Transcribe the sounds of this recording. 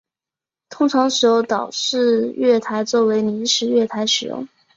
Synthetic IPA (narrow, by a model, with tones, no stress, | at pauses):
t̪ʰʊ˧˥ŋʈ͡ʂʰɑ˧˥ŋʂɻ̩˧˥jo˧˥ʊt̪ɑ˨˩ʊʈ͡ʂɻ̩˥˧ɥɛ˥˩t̪ʰa˧˥ɪt͡swɔ˥˩we˧˥ɪni˧˥ʂɻ̩˧˥ɥɛ˥˩t̪ʰa˧˥ɪʂɻ̩˨˩jʊ̰˥˩ŋ